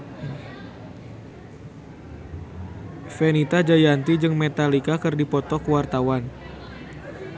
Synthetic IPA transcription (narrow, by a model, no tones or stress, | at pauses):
fɛnit̪ad͡ʒajant̪id͡ʒɨŋmɛt̪alikakɨrdipɔt̪ɔkuwart̪awan